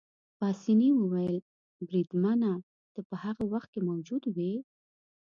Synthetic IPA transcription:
pɑsiniwəwajəl | bɾid̪mana | t̪əpəhaɣawaxt̪̚kemawd͡ʒud̪wi

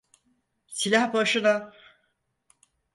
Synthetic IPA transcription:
silʲahbaʃɯna

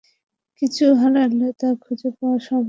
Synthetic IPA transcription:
kit͡ɕʰuɦanaɾnet̪akʰud͡ʑopaaʃɔm

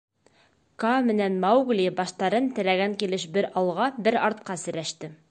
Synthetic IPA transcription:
kɑmɘ̆nænmɑwɡlʲibɑʃt̪ɑɾɤnt̪ɘ̆læɡæŋkilɘʃbɘɾɑlˠʁɑbɘɾɑɾt̪̚qɑsɘ̆ɾæʃt̪ɘ

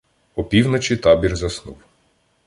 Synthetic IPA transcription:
ɔpʲiwnɔt͡ʃʲit̪ɑbʲirzɐsnuw

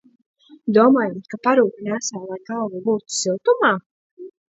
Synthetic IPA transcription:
d̪uɔmaːjumkapaɾuːkanasaːlˠajɡalˠvubuːt̪silˠt̪umaː

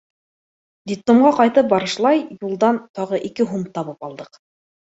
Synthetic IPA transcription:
d̪it̪ːomʁɑqɑjt̪ɤp̚bɑɾɤ̆ʃlˠɑjjulˠd̪ɑnt̪ɑʁɤʔikɘɦumt̪ɑβɤpɑ̰lˠd̪ɤq

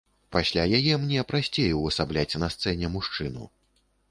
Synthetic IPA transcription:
pasʲlʲajajɛmnʲɛpɾasʲt͡sʲejuwɐsablʲat͡sʲnɐst̪sɛnʲɛmuʂt͡ʂɨnṵ

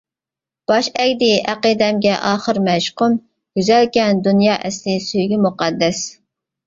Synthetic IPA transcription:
b̥ɑʃɛkʲd̪ɪʔæqəd̪ɛmɡʲɛʔɑːχəɾmɛʃqʊm | ɡ̥yzɛlkʲɛnd̪unjɑːʔɛslɪsyjɡʲɛmuqɑd̪ːɛs

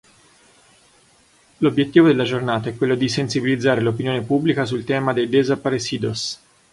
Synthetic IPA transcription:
lobjet̪ːiːvod̪elːad͡ʒornaːt̪aɛkːwelːod̪isensibilid̪zːaːɾelopinjoːnepubːlikasult̪ɛːmad̪ejd̪ezapaɾesiːd̪os

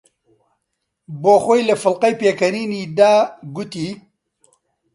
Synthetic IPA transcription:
boːxoːjlɐfɨlqɐjpeːkɐniːniːd̪aːɡʊt̪iː

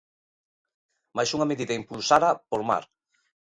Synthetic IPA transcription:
majsuŋameðiðɐimpulsaɾɐpoɾma̰ɾ

